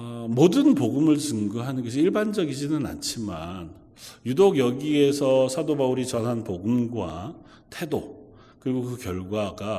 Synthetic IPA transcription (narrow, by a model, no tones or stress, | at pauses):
modɯnpoɡɯmɯɭt͡ɕɯŋɡɯɦanɯnɡʌɕʰiiɭband͡ʑʌɡid͡ʑinɯna̰nt͡ɕʰiman | judoɡjʌɡie̞sʰʌsʰadobauɾit͡ɕʌnɦanpoɡɯmɡwa̰ | tʰe̞do | kɯɾiɡokɯkjʌɭɡwaɡa